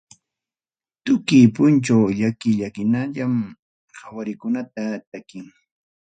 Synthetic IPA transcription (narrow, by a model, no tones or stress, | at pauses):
t̪ʊkɪjpʊnt͡ʃawʎakɪʎakɪnaʎam | hawaɾɪkʊnat̪at̪akɪŋ